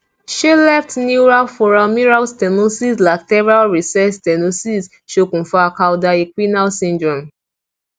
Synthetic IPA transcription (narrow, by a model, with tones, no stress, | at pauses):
ʃe˦lɛ˦ftni˦ɹa˦fɔ˨ɹa˨lmi˦ɹa˦lstɛ˨no˦si˦sla˨k̚tɛ˦va˦lɹi˨sɛ˦stɛ˨no˦si˦s | ʃo˦kũ˨fa˨ka˧wda˨e˨kʷi˦na˦lsĩ˦ndɹɔ̃˨m